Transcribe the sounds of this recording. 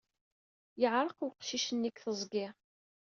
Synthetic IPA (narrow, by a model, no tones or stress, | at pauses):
jəʕɾˤəquqʃiʃənːikθəzˤɡɪʁ